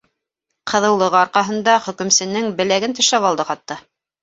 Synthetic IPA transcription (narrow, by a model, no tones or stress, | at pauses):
qʰɤ̆ðɤ̆wlˠɤ̆ʁɤɑɾqɑɦɤ̆nd̪ɑχɵ̆kɵ̆msɘ̆nɘŋbɘ̆læɡɘnt̪ɵ̆ʃæβɑlˠd̪ɤqɑt̪ːɤ